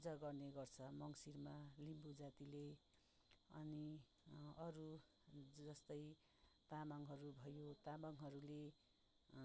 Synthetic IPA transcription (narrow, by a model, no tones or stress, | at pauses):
pud͡zaɡʌrneɡʌrt͡sʰʌmʌŋsirmalimbud͡zat̪ile | ʌ̰ni | ʌɾu | d͡zʌst̪ʌj | t̪amʌŋɦʌɾubʱʌjot̪amaŋɦʌɾule